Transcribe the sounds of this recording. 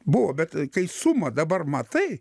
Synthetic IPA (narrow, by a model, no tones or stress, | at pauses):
bʊʋobʲɛt̪kɐɪsʊmɐd̪ɐbɐrmɐt̪ɐɪ